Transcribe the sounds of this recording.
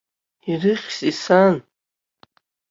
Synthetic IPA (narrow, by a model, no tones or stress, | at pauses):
irɨχʲsisan